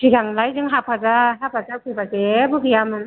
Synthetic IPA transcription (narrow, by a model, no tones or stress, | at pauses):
siɡaŋlajzɯŋɦapʰazaɦap̚ʰazakʰibazebuɡijamɯn